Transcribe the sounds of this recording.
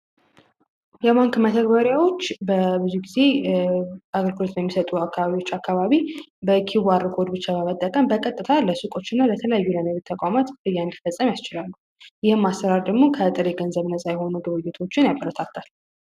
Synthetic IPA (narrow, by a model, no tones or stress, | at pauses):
jɛβaŋkmət̪ʰəɡbəɾjawo̞t͡ʃːbəbɨzuɡize̞ | aɡəɾɡɨlo̞t̪bəmːisət̪ʼuakʰːaβaβiwot͡ʃːakʰːaβaβibəkʰiβaɾːɨkʰo̞d̪bɨt͡ʃːabəmət̪ʼːəkʼəmbəkʼət̪ʼːɨt̪ʰaləsukʼo̞t͡ʃːɪnːalət̪ʰələjajːulənəβɨt̪ʰəkʼamat̪ɨjːand̪ifəsʼːəmjast͡ʃɪlalːu | jɪhɨmːast̪əɾaɾd̪əɡmo̞kʰət̪ʼɨɾeɡənzəβnəsʼajɛho̞nuɡɨβɨjːɪt̪ʰo̞t͡ʃːɪnjabʼəɾət̪ʰat̪ʰːal